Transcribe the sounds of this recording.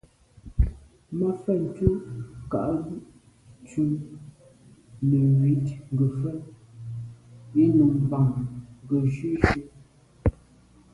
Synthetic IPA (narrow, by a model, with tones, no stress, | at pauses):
ma˦fɛ˦˨n̩˨tu˦ka̰˨ʔɣu˦ʔ | t͡ʃu˦ | nə˨wi˨˦tŋ˨ɡə˨fɛ˦˨t | e˦nu˨ŋba˨ŋŋ˨ɡə˨ʃe˦ʃe˦